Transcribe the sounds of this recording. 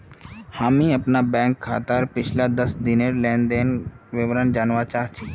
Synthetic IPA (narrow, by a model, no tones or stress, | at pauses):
haːmĩɐpnabɛ̃ːŋkʰːa̰ːt̪əɾpɪt͡ʃʰlad̪əsd̪ɪneɾlɛ̃ːnd̪eːn | ʋɪʋɾənd͡ʒaːnʋaːt͡ʃaːt͡ʃʰi